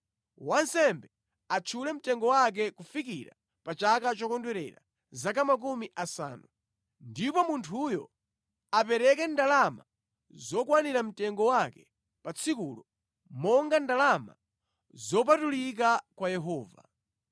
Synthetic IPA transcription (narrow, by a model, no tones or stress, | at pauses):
wansɛmbɛ | at͡ʃʰulɛm̩tɛŋɡɔwak̬ɛkufik̬iɾa̰ | pat͡ʃakat͡ʃɔkɔndwɛɾɛ̰ɾa̰ | zakamak̬umiʔasa̰ːnu | ndipɔmuntʰujɔ̰ | ap̬ɛɾɛk̬ɛndalama̰ | zɔkwaniɾam̩tɛŋɡɔwakɛ̥ | pat͡sʰikuːlɔ | mɔŋɡandalama̰ | zɔp̬atulik̬akwajɛɦɔːva̰